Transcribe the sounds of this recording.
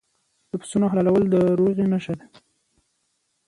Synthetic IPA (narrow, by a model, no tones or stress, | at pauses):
d̪̥əpɪ̥sunoɦalalawəld̪əɾoɣenaʃad̪a